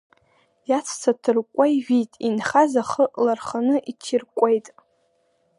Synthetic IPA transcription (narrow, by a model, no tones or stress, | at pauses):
jat͡sʷʰt͡sʰatʰɨrkʷʼajʒitʼinχazaχəʔlarχanɨʔitʰirkʷʼejtʼ